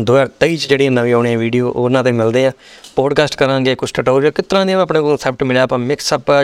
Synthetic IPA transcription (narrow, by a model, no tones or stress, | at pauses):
d̪ʊːɛːt̪əiːt͡ʃd͡ʒeːɽiːãːnəʋiːoːɳeãːʋiːɖijoːʔoːnãːt̪ẽmɪld̪eːãː | poːɖkaːsʈkəɾãːɡeːkʊt͡ʃʰʈəʈoːɾjːkɪt̪ɾãːd̪iːãəpɳẽːkoːlsɛp̚ʰʈmɪlaːpãːmɪksəpː